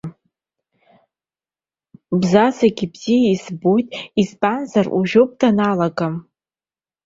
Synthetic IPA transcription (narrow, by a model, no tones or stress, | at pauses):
bzazaɡʲibz̥iisbojtʼispʼanzarʔṵʒopʼdanalaɡʼam